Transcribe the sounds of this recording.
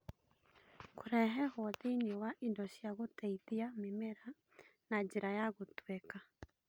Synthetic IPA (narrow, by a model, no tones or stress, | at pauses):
koɾɛɦɛhɔðiniwaʔindɔʃiaɣotɛiðiamemɛɾa | naɲd͡ʒiɾajaɣotwɛka